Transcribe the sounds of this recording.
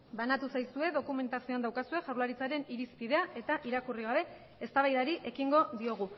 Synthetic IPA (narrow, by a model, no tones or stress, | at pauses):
banat̪usajsue̞ðo̞kume̞nt̪asio̞and̪awkasue̞ʝawɾlaɾit͡saɾe̞niɾispiðe̞aʔe̞t̪aʔiɾakuriɣ̞aβe̞ | e̞st̪aβajðaɾiʔe̞kiŋɡo̞ðio̞ɣ̞u